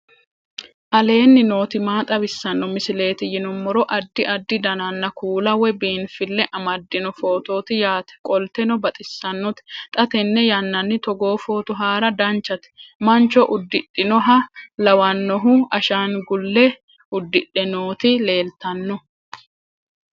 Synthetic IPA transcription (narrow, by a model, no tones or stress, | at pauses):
ʔɐle̞ːnːɪno̞ːt̪ɪmaːt̪ʼɐbɪsːɐnːɔmɪsɪle̞ːt̪ɪjɪnʊmːɔɾɔʔɐd̪ːɪʔɐd̪ːɪd̪ɐnɐnːɐkuːlɐwɛbiːnfɪlːɛʔɐmɐd̪ːɪnɔfo̞ːt̪o̞ːt̪ɪjaːt̪ɛ̥kʼɔlt̪ɛnɔbɐt̪ʼɪsːɐnːɔt̪t̪ʼɐt̪ɛnːɛjɐnːɐnːɪt̪ɔɡo̞ːfo̞ːt̪ʊɦaːɾɐd̪ɐnt͡ʃːɐt̪ɪ̥mɐnt͡ʃɔʔʊd̪ːɪɗːɪnɔɦɐlɐwɐnːɔɦʊʔɐʃaːnɡʊlːɛ | ʊd̪ːɪɗːɛno̞ːt̪ɪle̞ːlt̪ɐnːɔ